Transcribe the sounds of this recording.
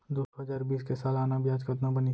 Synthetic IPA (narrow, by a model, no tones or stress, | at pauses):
d̪oːɦəd͡ʒaːɾbiːskesaːlaːnabjaːd͡ʒkət̪nabəni